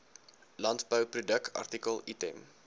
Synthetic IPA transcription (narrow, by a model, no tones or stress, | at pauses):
lɐntbəwprudək̚ʰɑ̰rtikəlˠitɛm